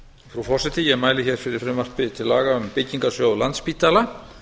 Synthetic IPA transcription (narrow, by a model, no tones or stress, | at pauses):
fɾufɔr̥sɪt̪ɪjɛɣmaːjlɪçɛɾ̥fɪɾɪɾ̥fɾɪmar̥pɪt̪ʰɪlːa̰ːɣaʏmpɪcːiŋkasjowlant̪spiːt̪ala